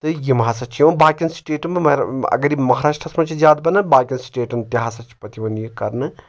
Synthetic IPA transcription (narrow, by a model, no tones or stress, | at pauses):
t̪ɨjimɦaːsɐt͡ʃʰjoːnbaːkʲinsʈeːʈɐmɨɐ̰ɡɐɾimɐɦaːɾaːʂʈɾɐsmɐt͡ʃʰizʲjaːd̪̚bɐnɨbaːkʲɐnsʈeːʈɐmt̪iɦaːsɐt͡ʃʰi̥pɐt̪iʋɐnjikɐɾnɨ